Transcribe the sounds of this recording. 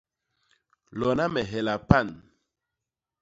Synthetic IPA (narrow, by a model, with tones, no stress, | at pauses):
lɔ˨na˦mɛ˨ɦɛ˨la˨pa˦˨n